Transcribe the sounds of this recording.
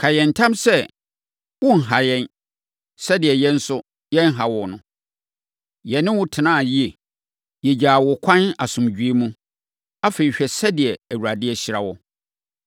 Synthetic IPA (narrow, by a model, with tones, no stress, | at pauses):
kʰa˨jɛ̃˨n̩˨tʰã˦msɛ˦ | wʊ̃˦n̩˨ɦa˨jɛ̃˦n | sɛ˦dɪ˨ɛ˨jɛ˦n̩˦sʊ˦ | jɛ̃˦n˦ɦa˨wɔ˨nʊ̃˨ | jɛ˨nːɪ̃˦wʊ˦tʰɪ˨nã˦˨ji˦e˨ | jɛ˨d͡ʑaː˨wʊ˨kʷʰã˦na˨sʊ̃˨md͡ʑᶣɥe˦mũ˦ | a˦feː˨i˨ɕᶣɛ˨sɛ˦dɪ˨ɛ˨æ˨wu˨ɾa˨dɪ˦ɛ˨ɕɪ˨ɾa˨wɔ˦